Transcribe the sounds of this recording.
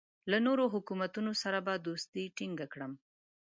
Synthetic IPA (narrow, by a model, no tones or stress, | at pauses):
lanoɾoɦʊkumat̪unosaɾabad̪ost̪iʈiŋɡakɽəm